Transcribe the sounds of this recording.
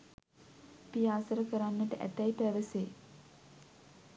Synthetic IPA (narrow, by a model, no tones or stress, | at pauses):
pijaːsəɾəkəɾanːəʈəʔæ̰t̪æipæʋəseː